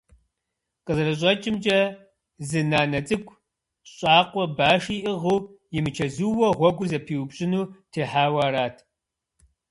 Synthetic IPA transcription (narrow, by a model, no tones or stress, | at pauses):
qʼəzrɐɕ̬ʼɐt͡ʃʼɪmd͡ʒʼɐ | zɨnaːnɐt͡sʼɨkʷʰʼ | ɕʼaːqʷʼɔbaːʂiːʔɪʁuwjɪmɨt͡ʃʰɐzuːwɐʁʷɔɡʷʊzɐpʰiːwbɕʼɪnuːtʰeːħaːwaːɾaːtʰ